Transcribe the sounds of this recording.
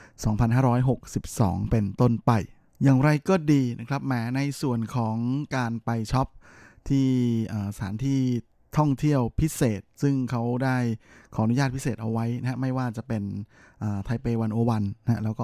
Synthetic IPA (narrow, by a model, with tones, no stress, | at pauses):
sɔː˩˦ŋpʰa˧nɦaː˥˩ɾɔː˦˥jɦo˨˩k̚si˨˩p̚sɔ̰ː˩˦ŋpe˧nt̪o˥˩npa˧j | jaː˨˩ŋɾa˧jkɔː˥˩diː˧nʔa˦˥kʰɾa˦˥p̚mɛː˦˥na˧jsu˨˩ənkʰɔː˩˦ŋkaː˧npa˧jt͡ɕʰɔ˦˥p̚ | t̪ʰiː˥˩ʔɤː˨˩sat̪ʰaː˩˦nt̪ʰiː˥˩ | t̪ʰɔ˥˩ŋt̪ʰi˥˩əwpʰi˦˥seː˨˩t̪̚sɯ˥˩ŋkʰa˦˥wdaː˥˩jkʰɔː˩ʔnu˦jaː˥˩pʰi˥seː˨˩t̪̚ʔa˧wa˦˥jna˦˥ɦa˦˥ma˥˩jwaː˥˩t͡ɕa˨˩pe˧n | ʔɤː˨˩t̪ʰa˧jpeː˧wa˧nʔu˧wa˧nː˦ɦa˦˥lɛː˦˥wkɔː˥˩